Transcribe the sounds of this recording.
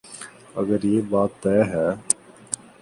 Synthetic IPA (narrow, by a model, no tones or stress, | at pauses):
ə̰ɡəɾjeːbaːt̪ːɛːɦɛː